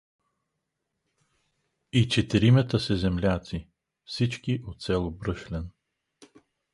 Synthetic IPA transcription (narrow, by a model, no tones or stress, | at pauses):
it͡ʃɛt̪iɾimɛt̪əsɛzɛmlʲat̪si | fsit͡ʃkiʔot̪sɛlˠobɾɤʃlɛn